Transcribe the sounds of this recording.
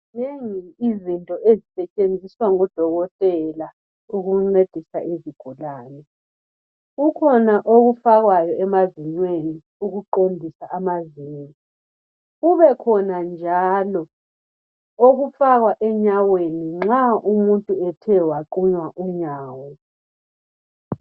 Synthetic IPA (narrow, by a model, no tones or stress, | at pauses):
neŋiizintʼɔʔezisɛt͡ʃʼend͡zʱiswaŋɔd̥ʱɔɣɔtʼɛla | uɣuŋ͡ǀed̥ʱisaʔeziɡ̥ʱulaːnɛ | ɣukʰɔnaʔoɣufaɣwajɔɛmaziɲweni | uɣuǃombʱisaʔːmaziːni | ɣuβɛkʰɔnand͡ʒʱalɔ | oɣufaɣwaʔɛɲaweniŋ͡ǁaumuntʼuɛtʰɛwaǃuɲwaʔuɲaːwɔ